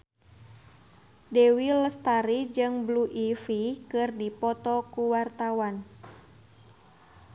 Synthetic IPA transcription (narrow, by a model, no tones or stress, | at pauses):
dɛwiləst̪aɾid͡ʒɨŋbluʔifikɨrdipɔt̪ɔkuwart̪awan